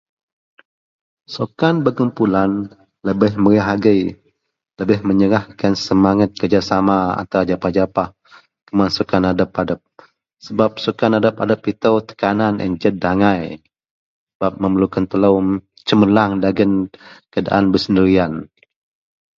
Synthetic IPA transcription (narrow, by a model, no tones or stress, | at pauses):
sokanbəkumpulan | ləbɪhməɾəɦaɡəj | ləbɪhməɲəɾahkansəmaŋat̪̚kərd͡ʒasamaa̰nt̪awad͡ʒapad͡ʒapah | kəmansukanadəpadəp̚ | səbap̚sukanadəpadəpit̪əwt̪ə̥kananʔə̰nd͡ʒət̪̚daŋaj | ssəbap̚məməlukant̪ələw | t͡ʃəməlaŋdaɡənkəda̰ʔanbəsəndəɾian